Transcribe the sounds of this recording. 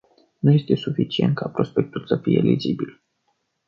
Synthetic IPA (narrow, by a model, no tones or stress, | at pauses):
nuje̞st̪e̞sufit͡ʃie̞nt̪̚kʰapɾo̞spe̞k̚t̪ulsəfije̞̰lʔizibil